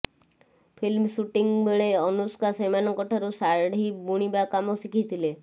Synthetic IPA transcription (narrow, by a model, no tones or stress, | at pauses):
pʰilmsuʈiŋbeɭeɔnuskasemanɔŋkɔʈʰaɾusaɾɖɦibuɽ̃ibakamɔsikʰit̪ʰile